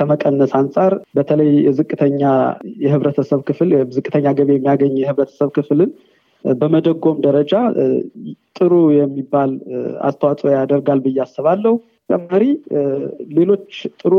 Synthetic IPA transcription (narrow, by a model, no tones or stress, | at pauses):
kʰəməkʼənːəsansʼaɾbət̪ʰələjjɛzɨkʼːɨt̪ʰəɲːajɛhɨβɾət̪ʰəsəβkʰɨflzɨkʼːɨt̪ʰəɲːaɡəβejɛmːijaɡəɲːjɛhɨβɾət̪ʰə̥səβkʰɨflɨn | bəməd̪əɡːo̞md̪əɾəd͡ʒa | t̪ʼɨɾujɛmːibːala̰st̪ʰəwat̪ʼojad̪əɾɡalbɨjːasːəβalːəhu | kʼəmːaɾi | le̞lo̞t͡ʃːt̪ʼɨɾu